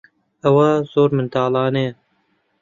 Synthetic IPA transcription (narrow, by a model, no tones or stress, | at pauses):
ɐwɐz̥oːɾmɨnt̪ɑːlˠɑːne